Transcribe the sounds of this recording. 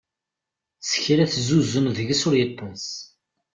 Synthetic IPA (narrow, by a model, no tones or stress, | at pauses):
sə̥çɾæθzuzəmðəʝəsʊɾjət̪ˤːɑsˤ